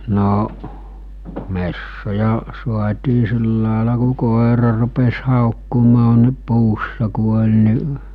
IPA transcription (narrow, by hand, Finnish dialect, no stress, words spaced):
noʔ mesːojɑ suɑtʲiː siˑlːɑˑelɑ ku koˑerɑ rupes hɑˑokːumɑː ni puːsːɑ ku olʲ niʔ